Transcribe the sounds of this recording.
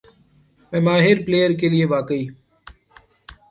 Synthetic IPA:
ʋẽːmaːɦɪɾpleːjəɾkeːlɪeːʋaːkəiː

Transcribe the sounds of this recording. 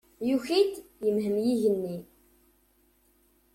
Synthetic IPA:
juçit̪jəmɦəmjiʝənːi

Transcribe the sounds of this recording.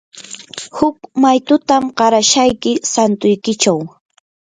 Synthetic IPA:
hʊkmajt̪ʊt̪amɢɑɾaʃajkɪsant̪ʊjkɪt͡ʃaw

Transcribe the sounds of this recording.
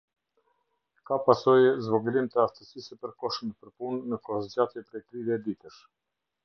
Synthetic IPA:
kapasɔjɛzvɔɡulimt̪əaft̪əsisɛpəɾkɔʃməpəɾpunːəkɔd͡ʑat̪jɛpɾɛjt̪ɾiðɛd̪it̪əʃ

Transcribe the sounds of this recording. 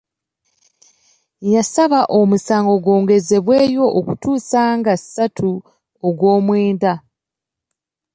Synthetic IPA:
jasaβaʔo̞musaːŋɡo̞ɡwo̞ːŋɡe̞ze̞βwe̞ːjo̞ʔːkutuːsaːŋɡasatʰu | oɡwo̞ːmweːnda

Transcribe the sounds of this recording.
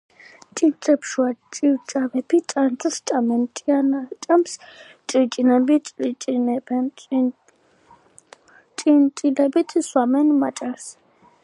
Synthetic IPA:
t͡ʃʼint͡sʼɛpʰʃuat͡ʃʼiwt͡ʃʼavɛpʰit͡ʃʼant̪ʼst͡ʃʼamɛnt͡ʃʼianat͡ʃʼams | t͡ʃʼit͡ʃʼinɛbit͡ʃʼlit͡ʃʼinɛb | t͡ʃʼintʼilɛbit̪ʰswamɛnmat͡ʃʼaɾs

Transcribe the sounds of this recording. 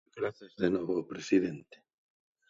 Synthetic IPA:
ðenweβopɾesiðẽnt̪e̥

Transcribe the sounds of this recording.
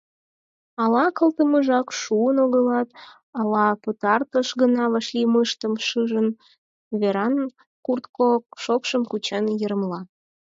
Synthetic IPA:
ɑlɑkəlt̪əməʒɑkʃuənoɣəlɑt̪̚ | ɑlɑpət̪ɑrt̪əʃɣənɑβəʃliməʃt̪əmʃɨʒən | βeɾɑn | kurt̪kokʃokʃəmkut͡ɕənjəɾəmlɑ

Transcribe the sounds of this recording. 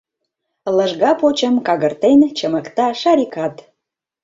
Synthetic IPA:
ləʒɣɑpot͡ɕəmkɑɣərt̪ent͡ɕəməkt̪ɑʃɑɾʲikɑt̪

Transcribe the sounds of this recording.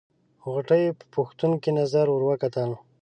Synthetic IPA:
ɣʊʈəjepə̥pʊxt̪unkinazaɾʊɾwakat̪al

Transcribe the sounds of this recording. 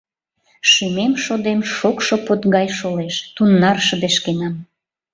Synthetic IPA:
ʃimemʃod̪emʃokʃopot̪ɣɑjʃoleʃt̪unːɑrʃəd̪eʃkenɑm

